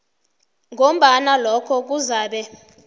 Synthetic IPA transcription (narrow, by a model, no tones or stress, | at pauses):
ŋʱom̩ɓanalɔkʰɔk̬uzaːɓɛ